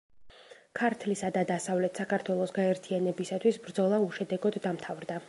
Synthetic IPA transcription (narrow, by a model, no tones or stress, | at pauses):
kʰaɾt̪ʰlisad̪ad̪asavlɛt̪sakʰaɾt̪ʰwɛlˠɔsɡaɛɾt̪ʰianɛbisat̪ʰwisbɾd̪zɔlˠauʃɛd̪ɛɡɔd̪ːamt̪ʰavɾd̪a